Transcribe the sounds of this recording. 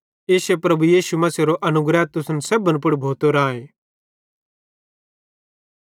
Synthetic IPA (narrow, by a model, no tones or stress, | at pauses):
eːsepɾɐbujiːsumɐseɾoʔɐnʊɡɾat̪ʊsənseːbə̃np̬ʊɽbʱoːt̪oɾãːẽː